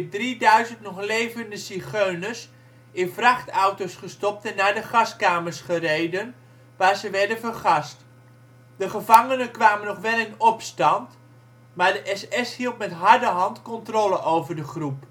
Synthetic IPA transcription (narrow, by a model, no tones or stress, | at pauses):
dridœɥzəntnɔχlejvəndəsiχøɥnəs | ɪnvrɑχtawtosχəstɔp̚tɛnːaːɹdəχɑskaːməɹsχərejdən | ʋaːɹzəʋɛɹdənvərχɑst | dəχəvɑŋənənkʋaːmənɔχʋɛlˠɪnɔpstɑnt | maːɹdəʔɛsɛshilˠtmɛtɦɑɹdəɦɑntkɔntrolˠəʔowvəɹdəχrup